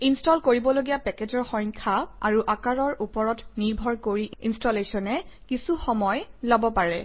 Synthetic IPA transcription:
instɔlkoɹibɔloɡijapɛked͡ʒɔɹxɔjŋkʰaa̰ɹuʔakaɹɔɹʔupɔɹɔtniɹbʱɔɹkoɹiḭnstɔlesɔnɛkisuxɔmɔjlɔbɔpaɹɛ

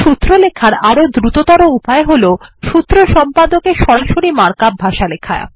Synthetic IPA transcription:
ʃut̪ːɾolekʰaɾaɾod̪ɾut̪ot̪ɔɾoupaeɦoloʃut̪ːɾoʃɔmpad̪okeʃɔɾaʃoɾimaɾkabʱaʃalekʰa̰e

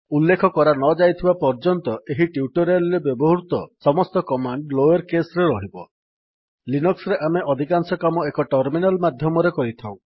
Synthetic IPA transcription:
ulːekʰɔkɔɾanɔd͡ʒajt̪ʰibapɔɾd͡ʒɔnt̪ɔʔeɦiʈiuʈɔɾelɾebjɔbɔɦuɾut̪ɔsɔmɔst̪ɔkɔmaɳɖloeɾkesɾeɾɔɦibɔ | linɔksɔɾeʔameʔɔd̪ʱikansɔkamɔekɔʈɔɾminalmad̪ʱjɔmɔɾekɔɾit̪ʰaw̃

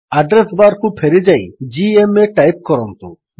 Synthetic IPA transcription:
aɖɾesbaɾkʰub̚pʰeɾid͡ʒajd͡ʑiemeʈajp̚kɔɾɔnt̪ṵ

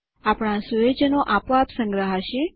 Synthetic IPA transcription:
apɽ̃ãsujed͡ʒənoʔapʋapsə̃ŋɡɾəɦaʃe

